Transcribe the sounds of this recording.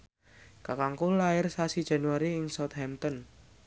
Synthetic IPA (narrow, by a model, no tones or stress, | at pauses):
kakaŋkulaɪrsasi̥d͡ʒ̥a̤nuwaɾiɪŋsɔt̪̚hɛmt̪ɔn